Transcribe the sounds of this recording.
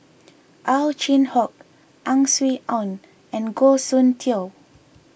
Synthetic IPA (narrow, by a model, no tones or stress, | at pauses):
ʔalt͡ʃĩnhɔk̚ | ʔãŋswiʔɔ̃n | ɛ̃nɡosũntʰil